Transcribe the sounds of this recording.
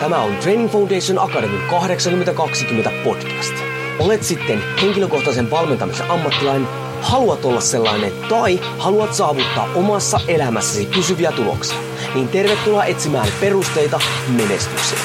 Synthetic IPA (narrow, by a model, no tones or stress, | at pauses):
t̪æmæo̞̰nt̪re̞jniŋfɑwndejsonʔɑkɑdemikɑhɾeksɑŋkyment̪ækɑksik̟ymːet̪æpo̞dk̟æst̪ | ole̞t̪sit̪ːe̞nhe̞ŋ̟kilø̞ko̞xt̪ɑse̞nʋɑlme̞nt̪ɑmisḛʔɑmːɑt̪ːilɑine | hɑluɑt̪olːɑsse̞lːɑ̰jnet̪ɑj | hɑluɑt̪sɑːʋut̪ːɑ̰ːʔʔomɑsːɑʔe̞læmæsːæsipysyʋiæt̪ulo̰ksiɑ | niːnt̪e̞rʋet̪ːulɑʔe̞t̪simæːnpe̞rust̪e̞jt̪ɑ | me̞ne̞st̪yksiæ